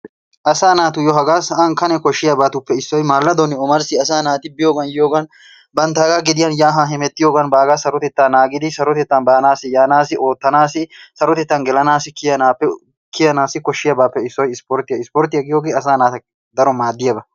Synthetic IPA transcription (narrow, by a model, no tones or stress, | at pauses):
ʔɐsaːnaːt̪ʊjɔɦɐɡaːsɐʔɐnkɐnɛkɔʃːɪjɐbaːt̪ʊpːɛɪsːɔjmaːlːɐd̪onɪɔmɐɾsɪɐs̬aːnaːt̪ɪbɪjoːɡɐnjoːɡɐn | bɐnt̪aːɡaɡɪd̪ɪjɐnjaːɦɐɦɛmɛt̪ːɪjoːɡɐnbaːɡasɐɾɔt̪ɛt̪ːaːnaːɡɪd̪ɪsɐɾɔt̪ɛt̪ːɐnbaːnaːsɪjaːnaːsɪʔo̞ːt̪ːɐnaːsɪsɐɾɔt̪ɛt̪ːɐnɡɛlɐnaːsɪkɪjɐnaːpːɛ | kɪjɐnaːsɪkɔʃːɪjɐbaːpːɛɪsːɔjɪspoːɾt̪ɪjɐɪspoːɾt̪ɪjɐɡɪjoːɡeːɐsaːnaːt̪ɐ | d̪ɐɾɔmaːd̪ːɪjɐbɐ